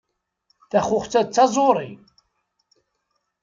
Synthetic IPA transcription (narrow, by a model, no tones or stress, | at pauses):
θæχʊχt͡sːæt͡sːɑzˤoɾˤḭ